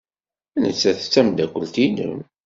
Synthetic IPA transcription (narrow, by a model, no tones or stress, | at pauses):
ænə̰t͡sːæθət͡sːæmd̪ækʷːəlt̪inə̰m